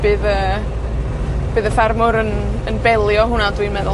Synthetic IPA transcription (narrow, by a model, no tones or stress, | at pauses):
b̥ɨːðəː | b̥ɨːðəfɛrmʊɾən | ənbɛlˠjɔɦʊnadwinmɛðʊ